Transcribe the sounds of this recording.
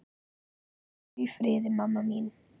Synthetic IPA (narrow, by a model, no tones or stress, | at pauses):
vifɾeːd̪əmamːamiːn